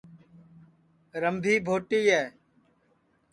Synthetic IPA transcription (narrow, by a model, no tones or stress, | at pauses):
ɾəmbʱiːbʱoːʈiːɦɛː